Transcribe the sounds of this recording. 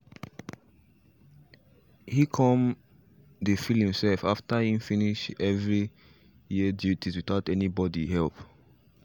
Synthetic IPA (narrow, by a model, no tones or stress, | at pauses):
hikʰɔ̃m | defilhĩmsɛlfaftahĩmfĩniʃɛvɹi | jiədjutʰiswitaʊtɛnibɔdiɦɛlp